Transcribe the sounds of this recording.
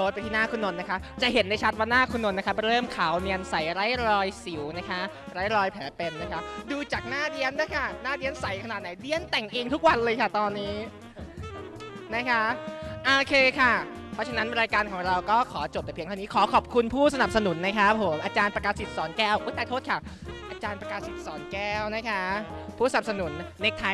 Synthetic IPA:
oː˧˦pa˧t̪ʰiː˥˩naː˥˩kʰu˧nːo˧nːa˦˥kʰa˦˥pt͡ɕa˨˩ɦe˩˦nda˥˩jt͡ɕʰa˦˥t̪̚waː˥˩naː˥˩kʰu˧nːo˧nːa˦˥kʰa˦˥p̚ɾɤː˥˩mkʰaː˩˦wni˧ənsa˨˩jɾa˦˥jɾɔː˧jsi˨˩˦wna˦˥kʰa˦˥ | ɾa˦˥jɾɔː˧jpʰɛː˩˦pe˧nːa˦˥kʰa˦˥pduː˧t͡ɕaː˨˩k̚naː˥˩ɾi˧˥ənːa˦˥kʰa˥˩naː˥˩ɾi˧˥ənsa˨˩˦jkʰa˧naː˨˩t̪̚na˨˦jdi˧˥ənt̪ɛ˨˩ŋʔeː˧ŋt̪ʰu˦˥k̚wa˧nlɤː˧jkʰa˥˩t̪ɔː˧nːiː˦˥ | na˦˥kʰa˦˥ʔoː˧kʰeː˧kʰa˥˩pʰɔ˦˥t͡ɕʰa˧na˦˥nɾaː˧jkaː˧nkʰɔː˩˦ŋɾa˧wkɔː˥˩kʰɔː˩˦t͡ɕo˨˩p̚t̪ɛː˨˩pʰi˧ŋt̪ʰa˥˩˧niː˦˥kʰɔː˩˦kʰɔː˨˩p̚kʰu˧npʰuː˥˩sa˧na˨˩p̚sa˧nu˩˦nːa˦˥kʰa˦˥pʰːo˩˦mʔaː˧t͡ɕaː˧npɾa˧kaː˧si˨˩t̪̚sɔː˩˦nkɛː˥˩wʔuː˧˥t̪aː˧˩t̪ʰoː˥˩t̚kʰaː˨˩ | ʔaː˧t͡ɕaː˧npɾa˧kaː˧si˨˩t̪̚sɔː˩˦nkɛː˥˩wna˦˥kʰa˦˥pʰuː˥˩sa˨n˨˩p̚sa˧nu˨˩˦nːe˦˥k̚t̪ʰːa˧

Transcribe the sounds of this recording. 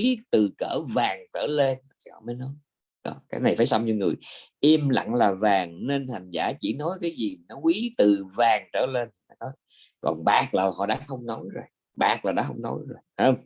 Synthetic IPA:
i˨˦t̪ɨ˨˩kəː˧˩vaː˨˩ŋt͡ɕəː˧˩le˧nʰ˨˩i˨˩hɔ̰˧˨məː˨˦jnɔ˨˦j | ɗɔ̰˧˨˩kaː˨˦jna˨˩jfaː˧˦jsa˧wŋ͡mɲɔ˧ŋɨ˨˩əjʔi˧mla̰˧˨ŋlaː˨˩vaː˨˩ŋne˧nta˨˩jŋ̟zaː˧˩t͡ɕi˧˩nɔ˨˦jkaː˨˦jzi˨˩nɔ˨˦wi˨˦t̪ɨ˨˩vaː˨˩ŋt͡ɕəː˧˩le˧nt̪i˨˩a˨˩nɔ˨˦j | kɔ̰˨˩nɓaː˨˩k̚laː˨˩hɔ̰˧˨ɗa̰ː˧˦˥xə˧wŋ͡mno˨˦jzo˨˩j | ɓaː˨˩k̚laː˨˩ɗa̰ː˧˥xə˧wŋ͡mno̰˨˦jzo˨˩jhaː˨˧ŋ͡m

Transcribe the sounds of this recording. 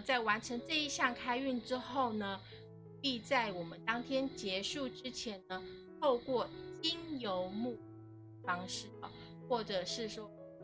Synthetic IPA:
t͡sa˥˩ɪwa˧˥nʈ͡ʂʰɤ˧˥ŋʈ͡ʂɤ˥˧i˥˧ɕjɑ˥˧ŋkʰa˥ɪy˥˩nʈ͡ʂɻ̩˥xo˥˩ʊnə˩ | pi˥˧t͡sa˥˩ɪwɔ˨˩mə˦nt̪ɑ˥ŋt̪ʰjɛ˥nt͡ɕjɛ˧˥ʂu˥˩ʈ͡ʂɻ̩˥t͡ɕʰjɛ˧˥nə˧ | t̪ʰo˥˧ʊkwɔ˥˩t͡ɕi˥njo˧˥ʊmu˥˩ | fɑ˥ŋʂɻ̩˥˩ə̰˩ | xwɔ˥˩ʈ͡ʂɤ˨˩ʂɻ̩˥˩ʂwɔ˥

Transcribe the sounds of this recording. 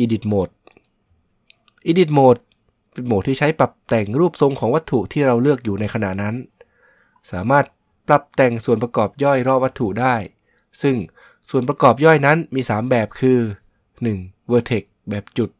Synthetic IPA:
ʔiː˧di˨˩t̪̚moː˨˩t̪̚ | ʔiː˧di˨˩t̪̚moː˨˩t̪̚ | pe˧nmoː˨˩t̪ʰːiː˥˩t͡ɕʰa˦˥jpla˨˩p̚t̪ɛː˨˩ŋɾuː˥˩p̚so˧ŋkʰɔː˩˦ŋwa˦˥t̪ʰːu˨˩ʔt̪ʰiː˥˩ɾa˧wlɯ˥˩ək̚juː˨˩na˧jkʰa˧na̰˨˩ʔna˦˥n | saː˩˦maː˥˩t̪̚ | pla˨˩p̚t̪ɛ˨˩ŋsu˨˩ənp̬ɾa˧kɔː˨˩p̚jɔ˥˩jɾɔ˦˥˩wa˦˥t̪ʰːu˨˩daː˥˩j | sɯ˥˩ŋ | su˨˩ənp̬ɾa˧kɔː˨˩p̚jɔ˥˩jna˦˥nmiː˧saː˩˦mbɛː˨˩p̚kʰɯː˧ | nɯ˨˩ŋwɤː˧t̪ʰe˨˩k̚bɛː˨˩p̚t͡ɕu˨˩t̪̚

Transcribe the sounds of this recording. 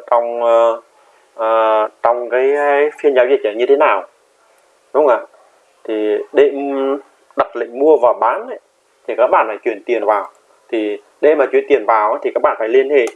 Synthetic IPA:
t͡ɕɔ˧wŋ͡m | ʔəː˨˩t͡ɕɔ˧wŋ͡mkaː˨˦jfi˧ənzaː˨˦wzi˧˩t̚t͡ɕəː˧˩ɲɨ˧t̪ʰe˨˦naː˨˩w | ɗʊ˨˦ŋ͡mʔaː˧˩ | t̪ʰi˨˩ɗe˧˨ | ɗa˨˩t̚lḭ˧˨ŋ̟mu˧əvaː˨˩wɓaː˨˦nə˧˦ | t̪ʰi˨˩kaː˦˥k̚ɓa̰ː˧˨nfaː˧˩jt͡ɕwi˧˩ənt̪i˨˩ənvaː˨˩w | t̪ʰi˨˩ | ɗe˧maː˨˩t͡ɕw̰ənt̪i˨˩ənvaː˨˩wʔaː˨˦t̪ʰi˨˩kaː˦˥k̚ɓa̰ː˧˨faː˧˩jli˧ənhḛ˧˨

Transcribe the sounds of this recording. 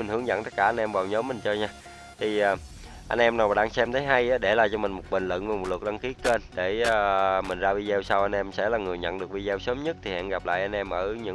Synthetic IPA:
mi̟˨˩hɨ˧˩əŋzə̰˧˨nt̪ə˦˥kaː˧˩ʔa˧nʔɛ˧mvaː˨˩wɲɔ˨˦mːï˨˩ŋ̟t͡ɕɔ˧ɲaː˧ | t̪ʰi˨˩ʔaː˨˩ | ʔa˧ŋ̟ʔɛ˧mnaː˨˩wɗaː˧ŋsɛ˧mt̪ʰə˨˦jɦa˧jʔaː˨˦ɗe˧˩laː˨˩mt͡ɕɔ˧mï˨˩ŋ̟mo˨˩t̚ɓi˨˩ŋ̟lɨ̰˧˨nvaː˨˩mo˨˩t̚lwə˨˩k̚ɗa˧ŋki˨˦əke˧nɗeː˧˩˨mï˨˩ŋ̟zaː˧vi˧zɛ˧wsaː˧wʔa˧n̟ʔɛ˧msɛ̰˧˥laː˨˩ŋɨ˨˩əjɲə̰˧˨nɗɨ˨˩ək̚ɓi˧zɛ˧wsəː˨˦mɲə˦˥t̚t̪ʰi˨˩hɛ̰˧˨nɣa˨˩p̚la̰ː˧˨jʔa˧n̟ʔɛ˧mʔəː˧˩ɲɨ̰˧˥

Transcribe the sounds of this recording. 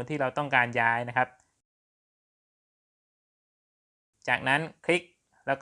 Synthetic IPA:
nt̪iː˥˩ɾa˧wt̪ɔ˥˩ŋkaː˧njaː˦˥jna˦˥kʰa˦˥p̚ | t͡ɕaː˨˩k̚na˦˥nkʰli˦˥k̚ | lɛː˦˥wk

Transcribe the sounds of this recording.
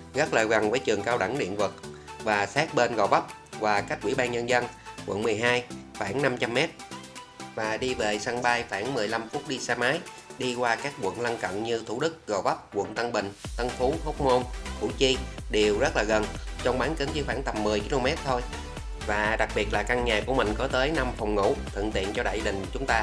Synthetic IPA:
ɣa˦˥k̚ləː˨˩ɣə˨˩nvəː˨˦jt͡ɕɨ˨˩əŋkaː˧wɗa˧˩ŋɗḭ˧˨ənvɨ˨˩t̚vaː˨˩saː˦˥t̚ɓe˧nɣə˨˩wvə˦˥p̚ | vaː˨˩ka˦˥k̟̚wḭ˧˩ɓaː˧nɲə˧nzə˧nkwʔə̰˧˨nmɨ˨˩əjɦaː˧jxaː˧˩ŋna˧mt͡ɕa˧mːɛ˦˥t̚ | vaː˨˩ɗi˧ve˨˩sa˧ŋɓaː˧jfaː˧˩ŋmɨ˨˩əjla˧mfu˦˥t̚ɗi˧saː˧maː˨˦j | ɗi˧kwaː˧kaː˦˥k̚ɓwə̰˧˨nla˧ŋkə̰˧˨nɲɨ˧t̪ʰu˧˩ɗɨ˦˥k̚ɣə˨˩və˦˥p̚kwə̰˧˨nt̪ə˧ŋɓï˨˩ŋ̟t̪ə˧nfu˨˦ho˦˥k͡p̚mo˧nkṵ˧˩˥t͡ɕi˧ɗe˨˩wzə˦˥t̚laː˨˩ɣə˨˩nt͡ɕɔ˧wŋ͡mɓaː˨˦nkə˨˦nzɨ˨˧˦xwaː˧˩ŋt̪ə˨˩mːɨ˨˩əjki˧lo˧mɛ˦˥t̚t̪ʰo˧j | vaː˨˩ɗa˨˩k̚ɓi˨˩ət̚laː˨˩ka˧ŋɲaː˨˩ku˧˩əmï˨˩ŋ̟kɔ˨˦t̪əː˨˦jna˧mfwŋ͡mŋṵ˧˩˥t̪ʰɨ̰˧˨ŋt̪ḭ˧˨ənt͡ɕɔ˧ɗa̰ː˧˨jɗï˨˩ŋ̟t͡ɕʊ˨˦ŋ͡mt̪aː˧

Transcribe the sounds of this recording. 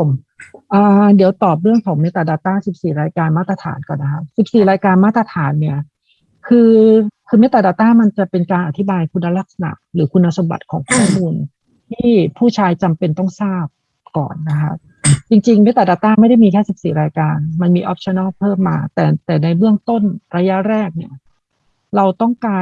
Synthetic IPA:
pʰo˩˦m | ʔaː˧di˨˩˦wt̪ɔː˨˩p̬̚ɾɯ˥˩əŋkʰɔː˩˦ŋme˦˥t̪ːa˨˩daː˧t̪aː˥˩si˨˩p̚siː˨˩ɾaː˧jkaː˧nmaː˥˩t̪ɾa˧t̪ʰa̰ː˩˦nkɔː˨˩nːa˦˥kʰa˦˥p̚si˨˩p̚siː˨˩ɾaː˧jkaː˧nmaː˥˩t̪ːɾa˧t̪ʰaː˩˦nːi˥˩ɐ | kʰɯː˧kʰɯː˧me˦˥t̪ːa˨daː˧t̪aː˥˩ma˧nt͡ɕa˨˩pe˧nkaː˧nʔa˨˩t̪ʰi˦˥baː˧jkʰu˧nːa˧ɾa˦˥k̚sa˧na̰˨˩ʔɾɯː˩˦kʰu˧nːa˧so˩˧˦mba̰˨˩t̪̚kʰɔ̰ː˩˦ŋkʰɔː˥˩muː˧n | t̪ʰiː˥˩pʰuː˥˩t͡ɕʰaː˧jt͡ɕa˧mpe˧nt̪ɔ˥˩ŋsaː˥˩p̚ | kɔ̰ː˨˩nːa˦˥kʰa̰˦˥p̚ | t͡ɕi˧ŋt͡ɕi˧ŋme˦˥t̪ːaː˨˩daː˨˧˩t̪aː˥˩ma˥˩jda˥˩jmiː˧kʰɛː˥˩si˨˩p̚siː˨˩ɾaː˧jkaː˧nma˧nmiː˧ʔɔ˦˥p̚t͡ɕʰɔ˧na˥˩lpʰɤː˥˩mːaː˧t̪ɛː˨˩t̪ɛː˨˩na˧jbɯ˥˩əŋt̪o˥˩nɾaː˧ja˦˥ɾɛː˥˩k̚ni˥˩ɐ | ɾa˧wt̪ɔ˥˩ŋkaː˧

